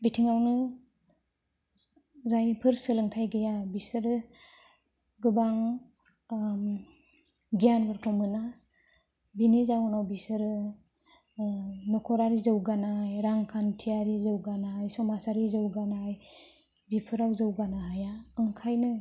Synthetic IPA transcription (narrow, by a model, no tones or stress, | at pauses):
bitʰiŋawnɯ | zajpʰɯɾsɯlɯŋtʰajɡɯjabisɯɾɯ | ɡɯbaŋ | ɡijanbɯɾkʰɔmɯna | binizawnawbisɯɾɯ | nɔkʰɔɾaɾizɯwɡanajɾaŋkʰantʰijaɾizɯwɡanajsɔmasaɾizɯwɡanaj | bipʰɯɾawzɯwɡanaɦajaɯŋkʰajnɯ